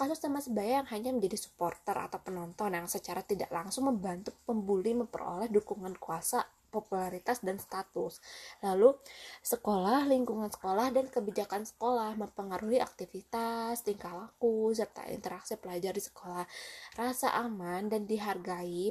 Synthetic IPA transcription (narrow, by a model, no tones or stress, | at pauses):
kasʊsːamasəbajaŋɦaɲaməɲd͡ʒadisu̥pɔrt̪əra̰t̪awpənɔnt̪ɔnjaŋsət͡ʃaɾat̪ida̰ʔlaŋsʊŋməmbant̪upəmbuliməmpə̰ɾo̰lɛhdukuŋankuasa | populaɾit̪asdanst̪at̪ʊslalusəkolahliŋkuŋansə̥kolahdankəbid͡ʒakansə̥kolahməmpəŋaɾuɦiʔak̚t̪ifit̪ast̪iŋkalakus̬ərt̪a̰ḭnt̪əɾaksipəlad͡ʒardisə̥kolahrasa̰ʔamandandiɦarɡai